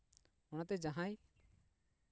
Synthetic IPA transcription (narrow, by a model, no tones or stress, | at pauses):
ɔɽ̃at̪ɛd͡ʒaɦãj